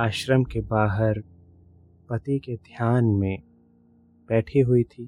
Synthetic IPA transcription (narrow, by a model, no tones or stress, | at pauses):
aːʃɾəmkebaːɦəɾ | pɐt̪iked̪ʱjaːnmẽ | b̥ɛːʈʰiɦʊit̪ʰiː